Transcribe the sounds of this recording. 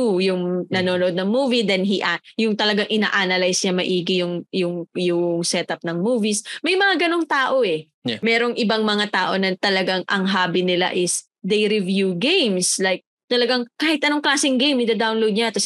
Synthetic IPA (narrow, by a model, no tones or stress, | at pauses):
ujʊŋnɐnonoʔod̪̚nɐŋmuːvid̪ɛnɦiʔajʊŋt̪ɐlɐɡaŋʔɪna̰ːʔanɐlajsɲɐmɐʔiːɡɪjʊŋjʊŋjʊŋsɛt̪ɐp̚nɐŋmuːvismɐjmɐŋaɡɐnoŋt̪aːʔo̞ɛ | mɛːɾo̞ŋʔɪbaŋmɐŋat̪aːʔo̞nɐt̪ɐlɐɡaŋʔɐŋɦaːbɪnɪla̰ʔɪs | d̪ejɾɪvjuɡejmslajk̚ | t̪ɐlɐɡaŋkaːhɪt̪̚ʔɐno̞ŋklaːsɪŋɡejmɪd̪ɐd̪awnlowd̪̚ɲɐt̪ɐs